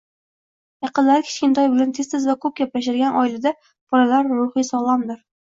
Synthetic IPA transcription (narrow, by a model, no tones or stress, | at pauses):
jɑqɨnlaɾɪkʲʰɪ̥ʃkʲɪnt̪ʰɒjbɪlant̪ʰest̪ʰɪzvakʰɵp̚ɡʲaplaʃ̬aɾɡʲanʔɒilɪd̪a | b̥ɒɾalaɾːʊχɨsɒlˠɒmd̪ɪɾ